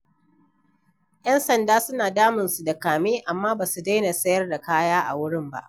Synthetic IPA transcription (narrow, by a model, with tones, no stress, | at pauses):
jɐ˦nsɐ˨ndaː˦sʊ˦naː˨daː˦mɪ˨nsu˨da˨kaː˨meː˦ʔa˨mːaː˦baː˨su˨da˦jna˨sɐ˦jɐ˦rda˨kaː˦jaː˦ʔa̰˨wʊ˦ɽɪ˦mba̰˦ʔ